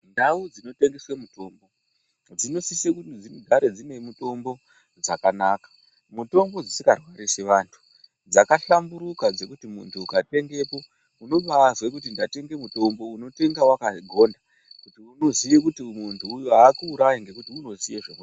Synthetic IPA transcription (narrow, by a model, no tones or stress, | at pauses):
ndaud͡zino̞te̞ŋɡeswemuto̞ːmbo̞ | d͡zino̞sisekutid͡ziɡʱaɾe̞d͡zine̞muto̞mbo̞ | d͡zakanaːkḁ | muto̞mbo̞d͡zisikarwaɾiseʋantʰu̥ | d͡zakaɬambuɾukad͡ze̞kutimuntʰuːkate̞ŋɡe̞po̞ | uno̞ʋazwekut̬indate̞ŋɡe̞muto̞mbo̞uno̞te̞ŋɡawakaɡʱo̞nda | kutiuno̞zijekutimuntʰuːjoakuːɾajiŋɡekutiuno̞sijeʐḛmu